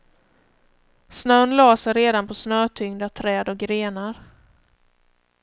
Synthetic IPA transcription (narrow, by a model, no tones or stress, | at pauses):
snœnlɑːsəɾeːd̪anpʰɔsnœːt̪ʰʏŋd̪at̪ʰɾɛːd̪ɔk̚ɡɾeːnaɾ